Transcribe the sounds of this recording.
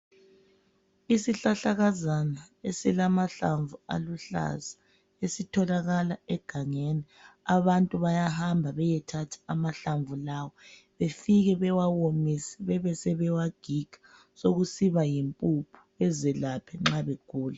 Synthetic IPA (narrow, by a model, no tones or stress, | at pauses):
isiɬaɬaɣazanaesilamaɬaɱvua̰luɬa̰za | esitʰɔlaɣalaɛɡ̥ʱaŋeni | aβantʼuβajahambʱaβɛjɛtʰatʰḁamaɬaɱvulawɔ | βefiɣɛβɛwawomisɛ̥βɛβɛsɛβɛwaɡ̥ʱiɡ̥ʱa | soɣusiβajimpʼupʰu̥ɛzɛlapʰɛŋ͡ǁaβeɡ̥ʱuːla